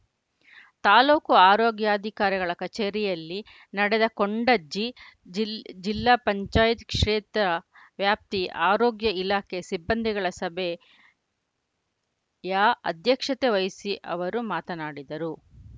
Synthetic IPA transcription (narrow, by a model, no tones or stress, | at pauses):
t̪aːloːkuaːɾoːɡjaːd̪ʱikaːɾjiɣɐɭɐkɐt͡ʃeːɾijɐlːi | nɐɽɛd̪ɐkoɳɖɐd͡ʒi | d͡ʒilːaːpɐɲt͡ʃaːjt̪kʂeːt̪ɾɐ | ʋjaːp̚t̪iʔaːɾoːɡjɐilaːkʰesibːɐnd̪ʱiɡɐɭɐsɐbe | jaːɐd̪ʱjɐkʂɐt̪eʋɐjsiʔɐ̰ʋɐɾumaːt̪ɐnaːɽid̪ɐɾu